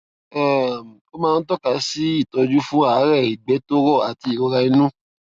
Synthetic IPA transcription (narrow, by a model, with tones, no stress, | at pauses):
ɛ˦˨ko˦mãː˦˧n̩˦tɔ˦˨ka˧˦si˦i˦˨tɔ˧d͡ʒu˦fũ˦a˦˨˦ɾɛ˦˨i˨ɡ͡bɛ˨˦to˦ɾɔ˦˨a˨ti˧i˨o˧˦ɾa˧i˧˦nũ˦